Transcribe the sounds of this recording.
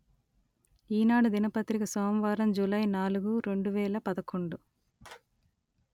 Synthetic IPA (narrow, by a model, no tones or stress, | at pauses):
iːnaːɽud̪inɐpɐt̪ɾikɐsoːmʋaːɾɐmd͡ʒulɐjnaːluɡuɾe̞ɳɖuʋɛːlɐpɐd̪ɐkoɳɖu